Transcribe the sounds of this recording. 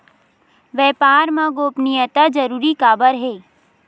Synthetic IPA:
ʋɛːpaːɾmãɡoːpnijət̪ad͡ʒəɾuːɾikaːbəɾɦeː

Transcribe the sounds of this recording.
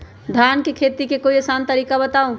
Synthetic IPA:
d̪ʱankekʰet̪ikekoiesant̪əɾiːkabət̪aũ

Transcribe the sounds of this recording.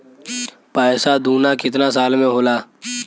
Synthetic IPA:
paːɪsad̪uːnakɪt̪nasaːlmẽɦoːlaː

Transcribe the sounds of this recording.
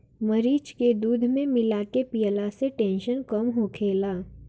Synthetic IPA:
mɐɾiːt͡ʃked̪uːd̪ʱmẽmɪlaːkepijəlaseʈɛ̃ːnʃənkɐmɦokʰeːlaː

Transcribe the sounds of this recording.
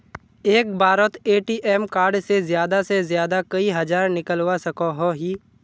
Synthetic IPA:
eːk̚bʱaːɾət̪eːʈiːʔɛːmkaːɾɖsezjaːd̪asezjaːd̪akɐiɦɐd͡ʒaːɾnɪkəlwasɐkoɦoɦiː

